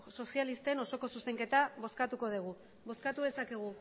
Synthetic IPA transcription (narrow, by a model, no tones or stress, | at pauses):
so̞sialist̪eno̞so̞ko̞suse̞ŋke̞t̪aβo̞skat̪uko̞ð̞iɣ̞u | βo̞skat̪uðe̞sakeɣ̞u